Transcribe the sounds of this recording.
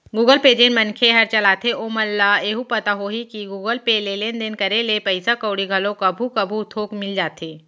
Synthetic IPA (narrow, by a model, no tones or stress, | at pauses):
ɡuːɡəlped͡ʒenmɐnkʰeɦɐɾt͡ʃɐlaːt̪ʰeʔoːməlːaeːɦupɐt̪aɦoɦikiɡuːɡəlpelelend̪ɪnkɐɾelepɐɪsakəːɽiɡʱɐlõkɐbʱukɐbʱut̪ʰoːkmɪld͡ʒaːt̪ʰeː